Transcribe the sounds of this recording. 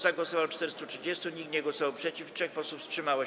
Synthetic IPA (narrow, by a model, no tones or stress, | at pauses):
zaɡwɔsɔvawt͡ʂt̪ɛɾst̪utʂɘd͡ʑest̪uɲik̚t̪ɲɛɡwɔsɔvawpʂɛt͡ɕiftʂɛxpɔsufstʂɘmawɔ